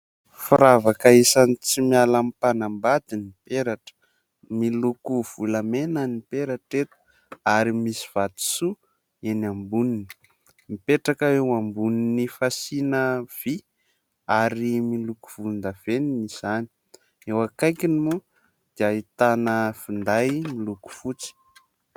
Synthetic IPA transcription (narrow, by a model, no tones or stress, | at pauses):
fiɾavakaisanit͡simialamipanambad̪inipeɾaʈ͡ʂə̥ | milukuv̥ulamenanipeɾaʈ͡ʂet̪ə̥ | aɾimisi̥v̥at̪i̥su | enambunini̥ | mipeʈ͡ʂakaewambuninifasinəv̥i | aɾimiluku̥v̥und̪əv̥eninizani̥ | ewakajkinimu | d̪̥iait̪anəfind̪ajmiluku̥fut͡si̥